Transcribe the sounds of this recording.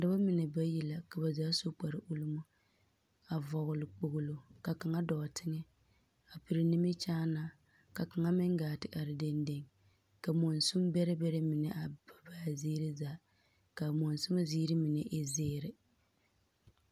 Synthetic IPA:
da˦ba˦mɪ˨nɛ˨ba˦ji˨la˨ka˨ba˨zaː˦so˦k͡pa˨ɾɪ˨ʔu˦lʊ˦mo˦ | a˨vɔ˨ɣʊ˨lɪ˨k͡po˨ɣʊ˦lo˨ka˨ka˨ŋa˦dɔ˨tʰɪ˦ŋɛ˦ | a˨pi˨ɾɪ˨nɪ˦mɪ˦t͡ʃaː˦naː˦ | ka˨ka˨ŋa˦mɪ˦ŋɡaː˨tɪ˨ʔa˨ɾɪ˨de˦nde˦ŋ | ka˨mo˨nsʊ˦mbɛ˦ɾɪ˦bɛ˦ɾɪ˦mɪ˨nɛ˨ʔa˨ba˨baː˦zeː˦ɾɪ˦zaː˨˦ | ka˨mo˨n˨sʊ˦ma˦ziː˦ɾɪ˦mɪ˨nɛ˨ʔe˦zeː˦ɾɪ˨

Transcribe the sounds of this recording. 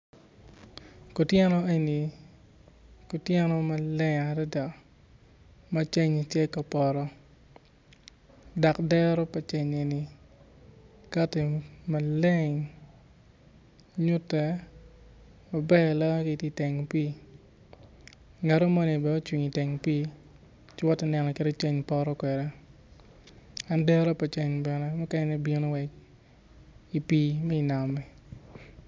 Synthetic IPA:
kɔ˨tjɛ˦nɔ˦e˦ni˨ | ko˨tjɛ˦nɔ˦mɐ˨lɛ˦ɲa˨ɾɛ˦da˨ | ma˦t͡ʃe˦ɲ˨tjɛ˦ka˨pɔ˨ɾɔ˦ | da˨kdɛ˦ɾɔ˦pɐ˨t͡ʃɛ˨ɲe˨ni˨ | ka˦te˨mɐ˨le˦ŋ | ɲʊ˦tːɛ˨ | ma˨bɛ˦˨lɔ˦ke˨ti˦tɛ˨ŋpi˦ | ŋa˨ɾo˦mɔ˦ni˨bɛ˨o˦t͡ʃwi˨ŋi˨tɛ˨ŋpiː˦ | t͡ʃɪ˦wɔ˦tːɛ˦˨nɛ˨nɔ˨ke˦de˦t͡ʃɛ˦ɲpɔ˦ɾɔ˦kwɛ˨dɛ˦ | a˨ndɛ˦ɾo˦pa˨t͡ʃe˨ɲbɛ˨nɛ˦mɛ˦kɛ˦n˦ni˦bi˦no˦wɛ˨k̚ | i˨piː˦mɛ˦i˨na˨mɛ˨

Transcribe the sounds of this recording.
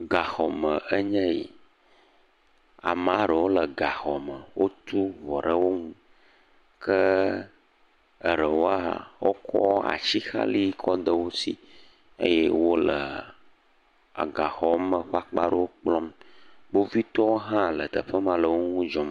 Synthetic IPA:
ɡa˨xɔ˨mə˨ə˦ɲɛ̃˦jḭ˨ | a̰˨mã˦ɖə˨wo˦lə˨ɡa˨xɔ˨mə˨wo˦t̪u˦vɔ˨ɖə˦wo˦ŋũ˦ | kə˦ | ə˨ɖə˨wo˦a̰˨wo˦kʰɔ̰˦a̰˨t͡ʃi˦xa̰˦li˦kʰɔ˦d̪ə˦wo˦si˦ | ḛ˦jɛ˦wo˦lə˨ | a̰˨ɡa˨xɔ˨˦mə̃˨ɸa˦k͡pa˦ɖə˦wo˦k͡plɔ˦mbo˦vi˦t̪ɔ˦wo˦ɦã˦lə˨t̪ə˨ɸə˦mã˨lə˨wo˦ŋũ˦d͡ʒɔ˨m˨

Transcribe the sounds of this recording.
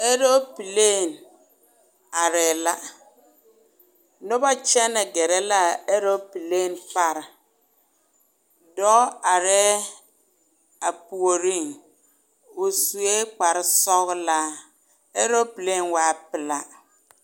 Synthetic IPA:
e˦ɾo˦pi˨le˦˨n | a˨ɾɛ˨la˦ | no˦ba˦t͡ʃɛ˦nɪ˨ɡɛ˨ɾɛ˦la˦˨e˦ɾo˦pi˨le˦˨npa˦ɾ | dɔ˦a˨ɾɛ˦ | a˨pu˨o˨ɾi˦˨n | wo˨su˨e˦k͡pa˨ɾɪ˦sɔ˦ɣla˦ | e˦ɾo˦pi˨le˦˨nwaː˨˦˨pɪ˨la˦

